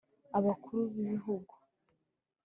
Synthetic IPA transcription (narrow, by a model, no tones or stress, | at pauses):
aβakʰuɾuβiβiɦuɡu